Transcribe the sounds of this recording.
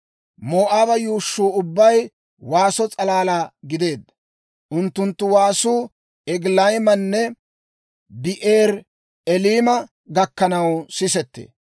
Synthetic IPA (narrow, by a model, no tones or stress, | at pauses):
moːʔaːbɐjuːʃːuːʊbːɐj | waːsɔt͡sʼɐlaːlaːɡɪd̪e̞ːd̪ːɐ | ʔʊnt̪ːʊnt̪ːʊwaːsuː | ɛɡlɐjmɐnːɛ | bɪʔeːɾ | ɛliːmɐ | ɡɐkːɐnɐwsɪsɛt̪ːḛː